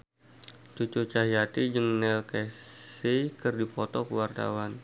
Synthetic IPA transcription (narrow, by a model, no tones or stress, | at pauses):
t͡ʃut͡ʃut͡ʃaɦijat̪id͡ʒɨŋnɛlkɛsikərdipɔt̪ɔkəwart̪a̰wan